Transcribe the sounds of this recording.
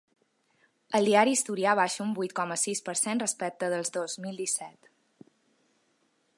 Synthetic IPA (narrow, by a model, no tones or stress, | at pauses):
əlˠd̪iaɾist̪uɾiaβ̞aʃəumbujt̪̚kɔməsispəɾsenrəspɛk̚t̪əðəlˠzðozmilˠd̪isɛt̪